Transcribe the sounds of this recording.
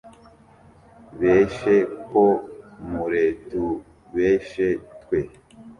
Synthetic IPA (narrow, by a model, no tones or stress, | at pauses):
βeʃekomuɾetu | βeʃetkwe